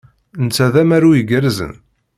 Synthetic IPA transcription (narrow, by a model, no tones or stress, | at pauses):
nt͡sːæðæmæɾujəɡəɾzə̰n